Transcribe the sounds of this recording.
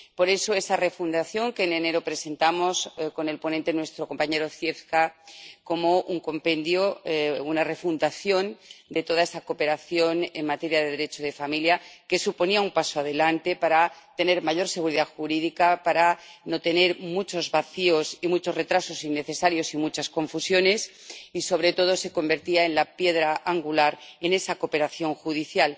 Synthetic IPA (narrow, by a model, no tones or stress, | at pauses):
po̞ɾe̞so̞e̞sare̞fund̪aθjo̞ŋkeːne̞ne̞ɾopɾe̞se̞nt̪amo̞sko̞ne̞lpo̞nent̪e̞nwe̞st̪ɾo̞ko̞mpaɲe̞ɾo̞θje̞θkako̞mo̞ʔuŋko̞mpẽ̞nd̪jounare̞fund̪aθjo̞nd̪e̞t̪o̞ðaesako̞pe̞ɾaθjo̞ne̞ŋmat̪e̞ɾjaðeðe̞ɾe̞t͡ʃoðe̞familjake̞supo̞niaumpasoað̞e̞lant̪e̞paɾat̪e̞ne̞ɾmaʝo̞ɾse̞ɣ̞uɾiðaxuɾiðikapaɾano̞t̪e̞ne̞ɾmut͡ʃo̞zβaθio̞simut͡ʃo̞sre̞t̪ɾaso̞sinːe̞θe̞saɾjo̞simut͡ʃasko̞ɱfusjo̞ne̞siso̞β̞ɾe̞t̪o̞ð̞o̞se̞ko̞mbe̞ɾt̪iae̞nlapje̞ðɾaʔaŋɡulaɾe̞ne̞sako̞pe̞ɾaθjo̞ŋxuðiθjal